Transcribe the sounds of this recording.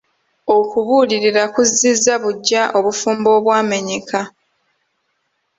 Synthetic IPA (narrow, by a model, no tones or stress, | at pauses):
okuβuːliɾiɾakuzːizːaβuɟːaʔo̞βufuːmbo̞ːβwaːme̞ɲekʰa